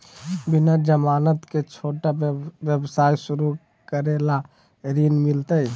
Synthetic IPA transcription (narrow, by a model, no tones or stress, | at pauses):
binad͡ʒəmanət̪ket͡ʃʰoʈabjəbsaisuɾu | kəɾela | ɾinmilt̪əj